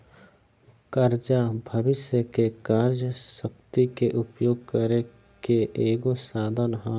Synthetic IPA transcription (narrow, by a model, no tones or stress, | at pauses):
kɐɾd͡ʒabʱɐʋɪʃjəkekaːɾjəʃəkt̪ikeʔʊpjoːɡ̚kəɾe | keʔeːɡosaːd̪ʱənɦã